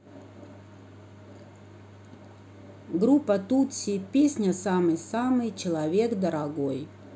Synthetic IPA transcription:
ɡɾupːət̪ut͡sʲːipʲesʲnʲəsamɨjsamɨjt͡ɕɪlˠɐvʲe̞kd̪əɾaɡo̞j

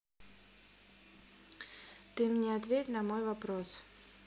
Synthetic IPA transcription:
t̪ɨmnʲeɐt̪vʲet̪ʲnɐmojvɐpɾos

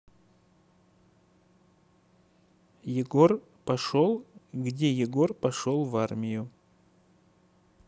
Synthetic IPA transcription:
jɪɡo̞r | pɐʂo̞lˠɡdʲejɪɡo̞rpɐʂolˠvarmʲɪjʊ

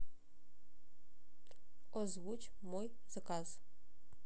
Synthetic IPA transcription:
ɔzwut͡ʃ | moj | z̥akaz̥

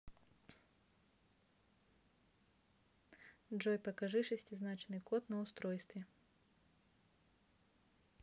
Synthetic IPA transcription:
dʐojpəkɐʐɨʂɨsʲtʲɪznat͡ɕɪnːɨjkot̪nəʊst̪ɾojst̪vʲɪ

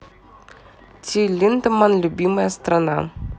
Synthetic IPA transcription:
t̪ʲʰilʲint̪əmɑnlʲubʲiməjəst̪ranɑ̰

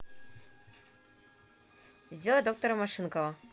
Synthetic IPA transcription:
zʲd̪ʲelˠəd̪ok̚t̪oɾəmɐʂɨnkovə

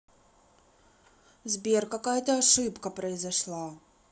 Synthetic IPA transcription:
zbʲerkɐkajət̪əɐʂɨpkəpɾəɪzɐʂlˠa

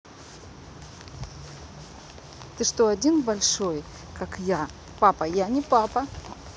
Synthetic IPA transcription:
t̪ɨʂt̪oɐdʲinbɐlʲʂoj | kakja | papɐjanʲɪpapɐ

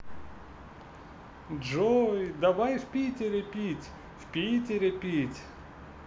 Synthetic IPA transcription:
ʐojd̪avajfpʲitʲɪɾʲɪpʲitʲ | fpʲitʲɪɾʲɪpʲitʲ

